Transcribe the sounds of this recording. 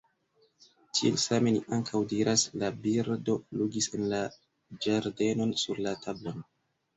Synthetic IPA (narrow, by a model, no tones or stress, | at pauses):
t͡ʃiḛlsame̞niʔaŋkʰawdiɾʔaslabiɾdo̞luɡise̞nla | d͡ʒaɾde̞no̞nsuɾlatʰablo̞n